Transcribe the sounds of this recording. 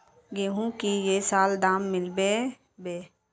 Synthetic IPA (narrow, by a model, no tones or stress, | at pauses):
ɡeːɦũkijesaːld̪aːmːɪlbe | beː